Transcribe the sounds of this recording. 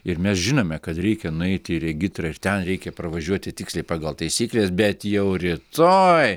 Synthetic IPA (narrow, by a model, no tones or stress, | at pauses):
ɪɾmʲɛsʒʲɪnoːmʲɛkɐt̪ɾʲɛɪkʲɛnʊɛɪt̪ʲɪɪɾʲɛɡʲɪt̪ɾɐɪɾt̪ʲɛnɾʲɛɪkʲɛpɾɐʋɐʒʲuɔt̪ʲɪt̪ʲɪksʲlʲɛɪpɑːɡɐlˠt̪ɐɪsʲiːklʲeːsbʲɛt̪jɛʊɾʲɪt̪oːj